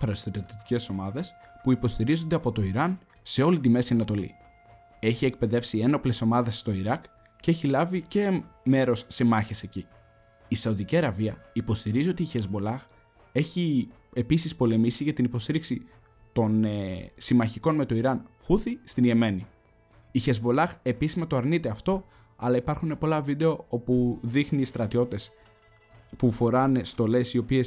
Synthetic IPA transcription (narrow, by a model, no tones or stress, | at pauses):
pɐɾɐst̪eɾot̪t̪i̥ce̞so̞mɐðe̞spuipo̞st̪iɾizond̪e̞ɐpo̞t̪o̞iɾɐn | se̞o̞lit̪ime̞siɐnɐt̪o̞lḭ | e̞çiek̚pe̞ðe̞fsie̞no̞ple̞so̞mɐðe̞sːt̪o̞iɾɐk | cːeçilɐvice̞me̞ɾo̞sːemɐçese̞ci | isɐuðiciɐɾɐviɐipo̞st̪iɾizio̞t̪içezbo̞lɐx | e̞çi | e̞pisispo̞le̞misiʝɐt̪inipo̞st̪iɾiksi | t̪o̞nesimɐçiko̞nme̞t̪o̞iɾɐnfuθist̪inʝeme̞niː | çe̞zbo̞lɐxe̞pisizmɐt̪oɐɾnit̪e̞ɐft̪o̞ | ɐlɐipɐɾxune̞po̞lɐvid̪e̞o̞o̞puðixniːst̪ɾɐt̪io̞t̪e̞s | pufo̞ɾɐnst̪o̞le̞sio̞pie̞s